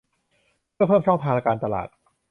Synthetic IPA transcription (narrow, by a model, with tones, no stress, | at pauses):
pʰɯ˥˩əpʰɤː˥˩mt͡ɕʰɔ˥˩ŋt̪ʰaː˧ŋa˧kaː˧nt̪a˧la̰ː˨˩t̪̚